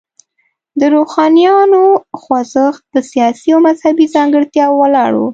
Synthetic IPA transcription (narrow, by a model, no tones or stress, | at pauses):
d̪əɾoxɑnijɑnoxwazəxt̪̚d̪əsijɑsiawmazhabizɑŋɡəɽt̪jɑwːalɑɽo̰